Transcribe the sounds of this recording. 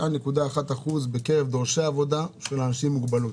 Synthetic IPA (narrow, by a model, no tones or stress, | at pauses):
ane̞kud̪aːχat̪aχuzbeke̞ʁevd̪o̞ʁʃeaːvo̞d̪aʃelanaʃimːuɡbalut